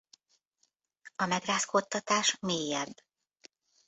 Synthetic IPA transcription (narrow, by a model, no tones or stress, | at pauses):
ɒmɛɡraːskot̪ːɒt̪aːʃmeːjɛbː